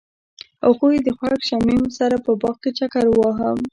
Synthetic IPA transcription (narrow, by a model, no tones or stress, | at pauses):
oxuid̪əxwakʃamimsaɾapəbɑqket͡ʃakaɾwɑɦam